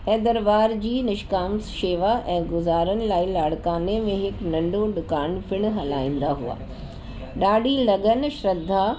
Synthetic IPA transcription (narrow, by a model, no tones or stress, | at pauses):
ɛ̃ːd̪ɐɾbaːɾd͡ʑiːnɪʃkaːmsʃeːʋaʔɛ̃ːɡʊzaːɾənɪ̆laːilaːɽ̤kaːnemẽɦɪknɐ̃ɳɖʱõɗʊkaːnfʰɪɽ̃ɦɐlaːĩːnd̪aɦṵa̰ː | ɗaːɽilɐɠənʃɾɐd̪ʱːa